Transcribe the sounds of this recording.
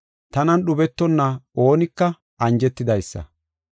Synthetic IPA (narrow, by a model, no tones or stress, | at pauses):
t̪ɐnɐnɗʊbɛt̪ːɔnːɐo̞ːnɪkːɐ | ʔɐnd͡ʒɛt̪ːɪd̪ɐjsːɐ̰